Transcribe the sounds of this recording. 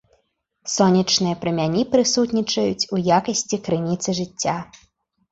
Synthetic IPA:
sɔnʲɐt͡ʂnɨjɐpɾɨmʲanʲipɾɨsut̪nʲit͡ʂɐjut͡sʲujakɐsʲt͡sʲikɾɨnʲit̪sɨʐɨt͡sʲːa

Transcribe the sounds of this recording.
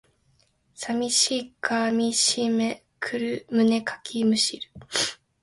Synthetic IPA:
samʲiɕiːkʰaːmʲiɕime | kʰɯɾɯ̟mɯ̟ne̞kʰḁkʲʰimɯ̟ɕiɾɯ̟̥

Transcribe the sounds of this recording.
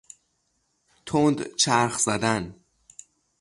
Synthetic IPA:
t̪ʰond̪t͡ʃʰæɾxz̥æd̪æn

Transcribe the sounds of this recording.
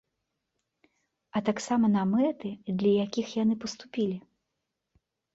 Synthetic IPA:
ɐt̪aksamɐnamɛt̪ɨd̪lʲɐjakʲixjanɨpɐst̪upʲilʲi

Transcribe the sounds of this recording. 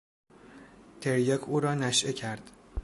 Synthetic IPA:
t̪ʰeɾjɒkʰuːɾɒːnæʃʔecʰæɾd̪̥

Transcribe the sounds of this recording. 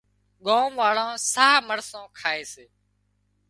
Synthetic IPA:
ɠoːmʋaːɽãːsaːməɾsõːkʰaːeːseː

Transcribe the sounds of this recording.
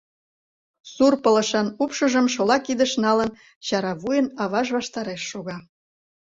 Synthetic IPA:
surpələʃɑnupʃəʒəmʃolɑkid̪əʃnɑlən | ɕɑɾɑβujənɑβɑʒβɑʃt̪ɑɾeʃːoɣɑ

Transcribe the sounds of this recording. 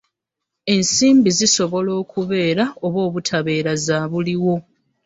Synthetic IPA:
e̞nsiːmbiziso̞βo̞lo̞ːkuβe̞ːɾao̞βo̞ːβutʰaβe̞ːɾazaːβuliwo̞

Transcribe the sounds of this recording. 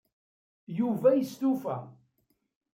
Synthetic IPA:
juvæjəst̪ufæ̰

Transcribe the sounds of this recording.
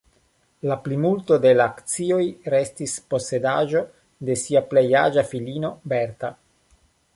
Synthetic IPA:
laplimulto̞de̞laːkt͡sio̞jɾe̞stispo̞se̞daʒo̞ | de̞siaplejad͡ʒafilino̞beɾta

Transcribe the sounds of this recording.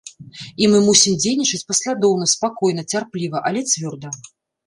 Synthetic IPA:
imɨmusʲimd͡zʲejnʲit͡ʂɨt͡sʲpɐsʲlʲad̪ɔwnɐspakɔjnɐt͡sʲarplʲivɐʔɐlʲɛt͡sʲvʲɔrd̪ɐ

